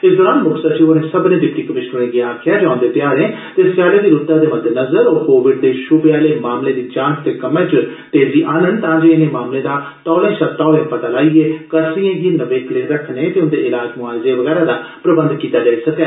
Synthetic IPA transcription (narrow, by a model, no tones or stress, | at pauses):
ɪsd̪ɔːɾaːnmʊksət͡ʃionẽːsəbnẽːɖɪpʈiːkəmɪʃɾənẽɡiaːkʰɪjaːd͡ʒãːnd̪eːt̪ɪjaːɾẽːt̪esaːleːd̪iːɾʊt̪ːãːd̪eːməd̪ʱːenəzəɾoːɾkoːʋɪɖd̪eːʃʊbeaːleːmaːmleːd̪iːt͡ʃãːnst̪eːkəmẽːt͡ʃət̪eːd͡ʒiːʔaːnə̃nd̪t̪ãːd͡ʒeːɪnẽːmaːmlẽːd̪aːt̪ɔːlẽːʃəbt̪aːɦoẽːpət̪aːlaːieːkəɾsiẽːɡiːnəʋeːklẽːɾəkʰneːt̪eːʊnd̪eːɪlaːd͡ʒmʊaːlɪzeːʋəɣɛːɾaːd̪aːpɾəbənd̪kiːt̪aːd͡ʒaːisəkɛː